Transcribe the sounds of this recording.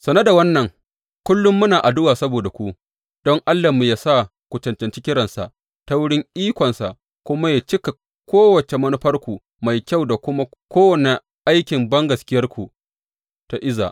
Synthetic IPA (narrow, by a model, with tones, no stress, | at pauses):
sɐ˨nɐ˦da˨wɐ˦nːɐ˨ŋ | kʷʊ˦lːʊ˦mːʊ˦naː˨ʔa˨dʊ˦waː˨sɐ˦boː˨da˨kʷu˦ | d̥ɔ˦ŋʔa˦lːa˨mu˨jaː˨sa˦˨ | kʷu˨t͡ʃɐ˨nt͡ʃɛ˨nt͡ʃi˦kʲɪ˦ɾɐ˨nsa̰˨ʔ | ta˦wʊ˦ɽɪ˦ŋʔiː˦kʷɔ˨nsa˨ | kʷʊ˦ma˦ja˨t͡ʃɪ˦ka˨ | kʷoː˦wɐ˨t͡ʃe˨mɐ˦nʊ˦ɸɐ˦rkʷu˨ | ma˨jkʲa˦˨wda˨kʷʊ˦ma˦ | kʷoː˦wɐ˨ne˨ | ʔa˦jkʲɪ˨mbɐ˦ŋɡɐ˨skʲɪ˦jɐ˦rkʷu˨ | ta˦ʔɪ˦za̰˨ʔ